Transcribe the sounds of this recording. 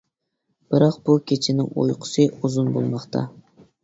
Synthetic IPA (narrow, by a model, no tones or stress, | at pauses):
b̥ɪɾɑqb̥ukʲʰet͡ʃʰɪnɪŋo̰jqʰʊ̥sɨʔuzʊnbo̰lˠmɑqt̪ʰɑ̰